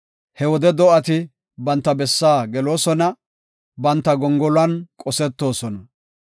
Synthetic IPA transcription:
hɛwɔd̪ɛd̪ɔʔɐt̪ɪ | bɐnt̪ːɐbɛsːaːɡɛlo̞ːsɔnɐ | bɐnt̪ːɐɡɔŋɡɔlɐnkʼɔsɛt̪ːo̞ːsɔnɐ

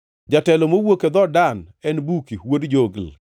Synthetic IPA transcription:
d͡ʒatɛlomowoked̪ɔdanɛnbukiwodd͡ʒoɡl

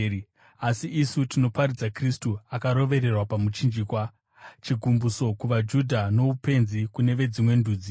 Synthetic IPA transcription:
asiʔːsutino̞paɾid͡zakristuakaɾo̞ʋe̞ɾe̞rwapamut͡ʃind͡ʒiːkwa | t͡ʃiɡʱumbuso̞kuʋad͡ʒudʱano̞upe̞nzikune̞ʋe̞d͡zimwe̞ndʱuːd͡zi

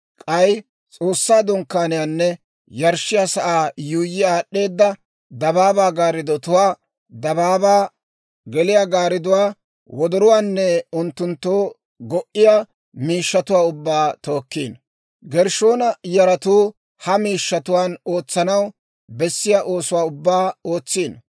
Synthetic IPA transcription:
kʼɐj | t͡sʼo̞ːsːaːd̪ʊŋkːaːnɪjanːɛ | jɐɾʃːɪjaːsɐʔaːjuːjːɪjaːɗːe̞ːd̪ːɐ | d̪ɐbaːbaːɡaːɾɪd̪ɔt̪ʊwaː | d̪ɐbaːbaː | ɡɛlɪjaːɡaːɾɪd̪ʊwaː | wɔd̪ɔɾʊwaːnːɛʊnt̪ːʊnt̪ːoː | ɡɔʔɪja | miːʃːɐt̪ʊwaːʊbːaːt̪o̞ːkːiːn | ɡɛɾʃoːnɐjɐɾɐt̪uː | hɐmiːʃːɐt̪ʊwaːno̞ːt͡sːɐnɐw | bɛsːɪjaːʔo̞ːsʊwaːʊbːaːoːt͡sːiːn

